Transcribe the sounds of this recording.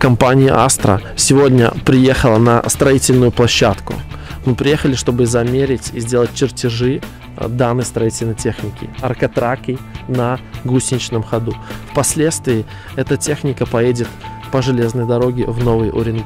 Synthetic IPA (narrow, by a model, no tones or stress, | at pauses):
kɐmpanʲɪjɪ̰ʔa̰st̪ɾə̰sʲɪvo̞dʲnʲə̰pɾʲɪje̞xəlˠənɐ̰st̪ɾɐitʲɪlʲnʊjʊplˠɐɕːat̪kʊ̰mɨpɾʲɪje̞xəlʲɪʂt̪o̞bɨzɐmʲeɾʲɪtʲɪzʲdʲe̞lˠət̚ʲt͡ɕːɪrtʲɪʐɨ | d̪anːəjst̪ɾɐitʲɪlʲnəjtʲe̞xnʲɪkʲɪ̰ɐrkɐt̪ɾakɨjnɐɡusʲɪnʲɪt͡ɕnəmxɐd̪ufpɐsʲlʲe̞t̪st̪vʲɪː | ɛt̪ətʲe̞xnʲɪkəpɐjedʲɪt̪ | pəʐɨlʲe̞znəjd̪ɐɾo̞ɡʲɪvno̞vɨjʔoɾʲɪnɡ